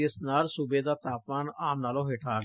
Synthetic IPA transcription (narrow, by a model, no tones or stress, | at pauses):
ɪsnaːlsʊbeːd̪aːt̪aːpʋaːnaːmnaːlõːɦeːʈʰaː